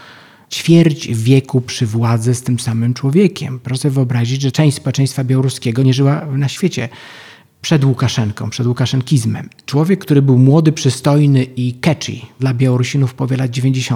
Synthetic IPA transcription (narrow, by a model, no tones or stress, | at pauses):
t͡ɕfʲjɛɾd͡ʑvʲjɛkupʂɘvwad̪zɛst̪ɘmsamɘmt͡ʂwɔvʲjɛkʲɛ̰mpɾɔʂɛvɘɔbɾaʑid͡ʑʐɛt͡ʂɛ̃w̃ɕt͡ɕʲspɔwɛt͡ʂɛ̃j̃st̪fabʲjawɔɾuskʲɛɡɔɲɛʐɘwanaɕfʲjet͡ɕɛ | pʂɛd̪wukaʂɛŋkɔ̰̃w̃pʂɛd̪wukaʂɛŋkʲizmɛ̰mt͡ʂwɔvʲjɛkːt̪uɾɘbɘwmwɔd̪ɘpʂɘst̪ɔjnɘikɛt͡ʂḭd̪labʲjawɔɾuɕinufpɔvʲjɛlad̪̚d͡ʑevʲẽɲd͡ʑeɕɔ